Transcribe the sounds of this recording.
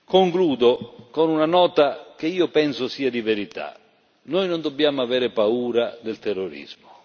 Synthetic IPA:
koŋkluːd̪okonunanɔːt̪akeiːʊpɛnsʊsiːad̪iveɾit̪a̰ | nɔjnond̪ɔbːjaːmʊaveːɾɪpauːɾad̪ɪlt̪ɛrːoɾḭzmʊ

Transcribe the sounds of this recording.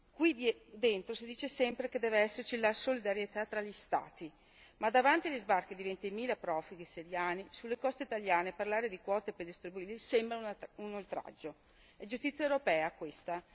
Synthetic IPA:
kwid̪ent̪ɾosid̪iːt͡ʃesɛmpɾeked̪ɛːveɛsːert͡ʃilasolid̪aɾjet̪at̪ːɾaʎist̪a̰ːt̪i | mad̪avant̪ializbarkid̪ivent̪imiːlapɾɔːfuɡiseɾjaːnisulːekɔst̪eit̪aljaːneparlaːɾed̪ikwɔːt̪eperd̪ist̪ɾibuiːlisɛmbɾaunolt̪ɾa̰d͡ʒːo | ɛd͡ʒust̪it̪sːjaewɾopɛːakwest̪a

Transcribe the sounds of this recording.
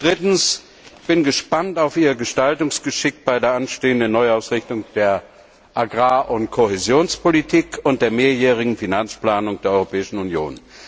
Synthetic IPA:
d̥ʁɪtn̩s | b̥ɪnɡəʃpantaʊfʔiːʁɡəʃtaltʊŋsɡ̥əʃɪk̚tb̥aɪdeːɐʔanʃteːəndənːɔʏaʊsʁɪçtʊŋd̥eːɐ | ʔaɡʁaːʔʊntkʰohezjoːnspʰolitʰiːkʰʊnt̚d̥eːɐmeːɐjɛːʁ̞ɪɡŋ̩finant͡splaːnʊŋd̥eːɐɔʏʁopʰɛːɪʃn̩unjo̰ːn

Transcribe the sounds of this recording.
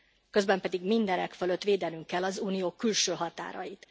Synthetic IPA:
kø̞zbɛmpɛd̪iɡmind̪ɛnɛkføløt̪ːʋeːd̪ɛnyŋkːɛlːɒzuːnijoːkylʃøːɦɒt̪a̰ːɾɒ̰jit̪

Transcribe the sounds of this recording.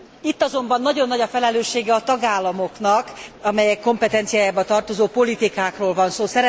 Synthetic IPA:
it̪ːɒzo̞mbɒnːɒɟo̞nːɒɟɒfɛlɛløːʃːeːɡɛɒt̪ɒɡaːlːɒmo̞knɒkɒmɛjɛkːo̞mpɛt̪ɛnt̪sijaːjaːbɒt̪ɒrt̪o̞zoːpolit̪ikaːkroːlvɒnsoːsɛɾɛ

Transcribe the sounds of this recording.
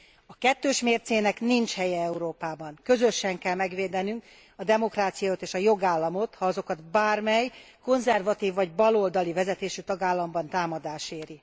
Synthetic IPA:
ɒkɛt̪ːøːʃmeːrt̪seːnɛknint͡ʃhɛjɛɛuɾoːpaːbɒŋkø̞zø̞ʃɛŋkɛlmɛɡʋeːd̪ɛnyŋk | ɒd̪ɛmo̞kraːt̪sijɒot̪eːʃɒjo̞ɡaːlːɒmo̞t̪hɒɒzo̞kɒt̪baːrmɛj | ko̞nzɛrvɒt̪iːvːɒɟbɒlo̞ld̪ɒlivɛzɛt̪eːʃyt̪ɒɡaːlːɒmbɒnt̪aːmɒd̪aːʃeːɾi

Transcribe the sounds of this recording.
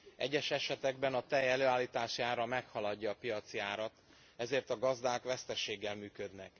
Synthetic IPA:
ʔɛ̰ɟːɛʃɛʃɛt̪ɛɡ̚bɛnɒt̪ɛjɛløːaːlːiːt̪aːʃiaːɾɒmɛkhɒlɒɟːɒːpijɒt̪siaːɾɒt̪ | ɛzeːrt̪ɒɡɒzd̪aːkʋɛst̪ɛʃeːɡːɛlmyːkø̞d̪nɛk

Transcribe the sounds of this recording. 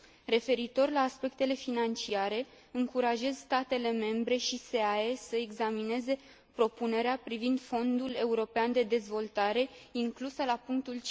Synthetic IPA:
ɾe̞fe̞ɾit̪o̞rlaːspe̞k̚t̪e̞le̞finant͡ʃiaɾe̞ | ɨŋkuɾaʒe̞zst̪at̪e̞le̞me̞mbɾe̞ʃise̞aesəeɡzamine̞ze̞ | pɾo̞pune̞ɾeapɾivind̪fo̞nd̪ule̞uɾo̞peand̪e̞d̪e̞zvo̞lt̪aɾe̞iŋklusəlapuŋk̚t̪ult͡ʃ

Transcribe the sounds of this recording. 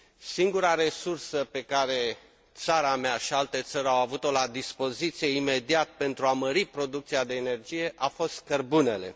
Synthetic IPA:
siŋɡuɾaɾe̞sursəpe̞kaɾe̞ | t̪saɾameaʃialt̪e̞t̪səɾʲawavut̪o̞lad̪ispo̞zit̪sije̞ime̞d̪iat̪̚pe̞nt̪ɾuaməɾipɾo̞d̪uk̚t̪siad̪e̞ːne̞rd͡ʒije̞ʔafo̞st̪kərbune̞le̞̰

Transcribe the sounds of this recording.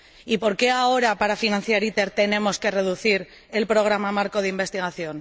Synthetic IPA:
ipo̞ɾke̞ao̞ɾapaɾafinãn̟θjaɾit̪e̞ɾt̪e̞ne̞mo̞ske̞re̞ðuθiɾ | e̞lpɾo̞ɣ̞ɾamamaɾko̞ðeimbe̞st̪iɣ̞aθjo̞n

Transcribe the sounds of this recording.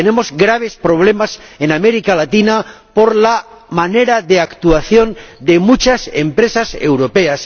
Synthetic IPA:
enẽ̞mo̞zɡɾaβ̞e̞spɾo̞β̞le̞masenameɾikalat̪ina | po̞ɾla | mane̞ɾaðeakt̪uaθjo̞nd̪e̞mut͡ʃasḛmpɾe̞sase̞̰wɾope̞as

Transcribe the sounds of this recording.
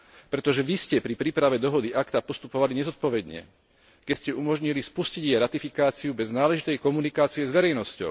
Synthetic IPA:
pɾɛt̪ɔʒɛʋiscɛpɾipɾiːpɾaʋɛd̪ɔɦɔd̪iʔakt̪apɔst̪upɔʋaliɲɛzɔt̪̚pɔʋɛd̪ɲɛ̰ | kɛscɛumɔʒɲilispusciɟjɛɾat̪ifikaːt͡siubɛznaːlɛʒit̪ɛjkɔmunikaːt͡siɛzʋɛɾɛjnɔscɔ̰ʊ

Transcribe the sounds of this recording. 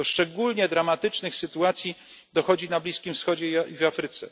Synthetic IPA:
ɔʂt͡ʂɛɡulɲɛd̪ɾamat̪ɘt͡ʂnɘxsɘt̪uat̪sʲjid̪ɔxɔd͡ʑinablʲiskʲimfsxɔd͡ʑɛivafɾɘt̪sɛ̰

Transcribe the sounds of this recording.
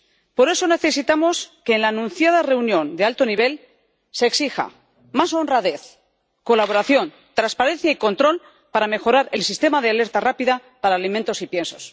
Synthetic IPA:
po̞ɾe̞so̞ne̞θe̞sit̪amo̞ske̞ːnlaːnũnθjað̞are̞unjõ̞nd̪ealt̪o̞niβ̞e̞l | se̞ːksixa̰ | maso̞nraðe̞θ | ko̞laβo̞ɾaθjo̞n | t̪ɾanspaɾe̞nθjaiko̞nt̪ɾo̞l | paɾame̞xo̞ɾaɾe̞lsist̪e̞maðeale̞ɾt̪arapiðapaɾaːlimẽnt̪o̞sipje̞nso̞s

